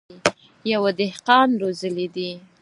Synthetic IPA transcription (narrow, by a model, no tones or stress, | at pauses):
jawad̪ɪhqɑnɾozəlid̪i